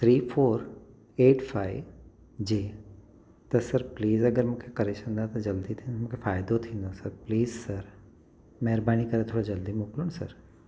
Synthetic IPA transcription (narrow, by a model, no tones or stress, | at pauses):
t̪ʰɾiːfʰoːɾ | eːʈfʰaːiʋ | d͡ʑeː | t̪ɐsɐɾpliːzɐɡəɾmũːkʰekɐɾesʰɐnd̪at̪ɐd͡ʒɐld̪it̪ʰĩːnomũːkʰefaːjd̪ot̪ʰĩːn̆d̪osɐɾpliːzsɐɾ | mɛɦɾbaːnikɐɾet̪ʰoːɽad͡ʒɐld̪imʊklʊñsɐ̰ɾ